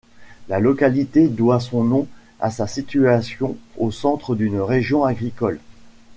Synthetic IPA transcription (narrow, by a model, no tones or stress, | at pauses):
lalɔkalit̪ed̪wasɔ̃nɔ̃ | a̰sasit̪yasjɔ̃osɑ̃t̪χəd̪ynʁeʒjɔ̃aɡʁikɔl